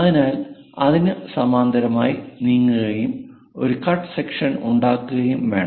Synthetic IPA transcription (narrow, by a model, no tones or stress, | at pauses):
ɐðinaːl | ɐðinɨsɐmaːnd̪ɐɾɐmaːjiniːŋːɨɣɐjum | o̞ɾukɐrʈɨ̥sekʂɐnṵɳɖaːkːuɣɐjumʋeːɳɐ